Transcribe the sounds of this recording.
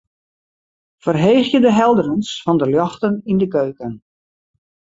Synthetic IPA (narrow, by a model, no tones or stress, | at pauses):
fərɦejxjədəɦɛlˠdərənsfɔndəljɔxtənindəkøɥkən